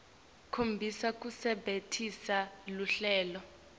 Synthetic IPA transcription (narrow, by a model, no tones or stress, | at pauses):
kʰombʱisak̬ʼusɛɓetʰisaluɬɛːlɔ